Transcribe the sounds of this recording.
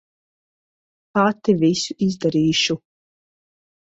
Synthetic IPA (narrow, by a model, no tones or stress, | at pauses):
pat̪ːivisuʔizd̪aɾiːʃu